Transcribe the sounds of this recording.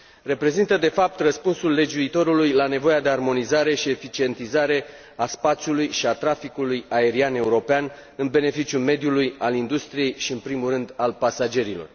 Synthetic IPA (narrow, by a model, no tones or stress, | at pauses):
re̞pɾe̞zint̪əd̪e̞fap̚t̪rəspunsulːe̞d͡ʒuit̪o̞ɾulujlane̞vo̞jad̪e̞armo̞nizaɾe̞ʃie̞fit͡ʃie̞nt̪izaɾe̞ | aspat̪sjulujʃiat̪ɾafikulujae̞ɾiane̞uɾo̞pean | ɨnbe̞ne̞fit͡ʃjume̞d̪julujalind̪ust̪ɾije̞jʃiɨnpɾimurɨnd̪alpasad͡ʒe̞ɾilo̞̰r